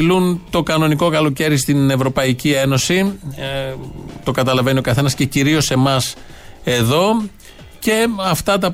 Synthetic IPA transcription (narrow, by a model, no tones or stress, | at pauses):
lunt̪o̞kɐno̞niko̞kɐlo̞ce̞ɾist̪ine̞vɾo̞pɐicie̞no̞si | t̪o̞kɐt̪ɐlɐve̞nio̞kɐθe̞nɐsce̞ciɾio̞se̞mɐs | e̞ðo̞ | ce̞ɐft̪ɐt̪ɐ